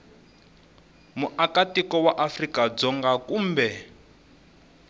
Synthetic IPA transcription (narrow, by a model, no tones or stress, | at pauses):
muʔakatikɔwaʔafrikad͡zɔŋɡakuːmbɛ